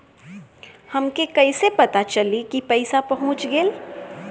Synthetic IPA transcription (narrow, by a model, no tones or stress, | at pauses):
hɐmkekɐɪsepɐt̪at͡ʃɐlikipɛɪsapɐɦʊ̃t͡ʃɡeːl